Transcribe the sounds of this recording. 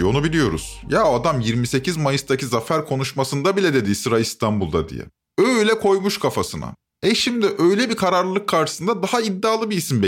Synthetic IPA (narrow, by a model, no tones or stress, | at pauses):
o̞nubilʲijo̞ɾṵz̥jaːad̪amjiɾmise̞cizmajɯst̪ʰacʰizafæɾkʰo̞nuʃmasɯnd̪abilʲɛd̪e̞d̪isɯɾaist̪ʰambulˠd̪ad̪ḭjɛ̰ | øjlʲɛkʰo̞jmuʃkʰafasɯna̰ | ɛʃimd̪ɪʔø̞jlʲɛbikʰaɾaɾlˠlˠɯkʰːaɾʃɯ̥sɯnd̪ad̪aɦaid̪ːaːlˠɯbiisimbɛ